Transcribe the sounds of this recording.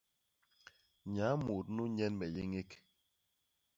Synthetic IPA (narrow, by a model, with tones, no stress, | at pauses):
ɲa˨˦mo˨tnu˦ɲɛ˦nmɛ˨je˦ŋe˦k